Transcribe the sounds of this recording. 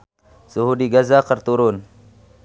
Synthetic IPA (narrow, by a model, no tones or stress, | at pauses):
suɦudiɡazakərt̪uɾʊn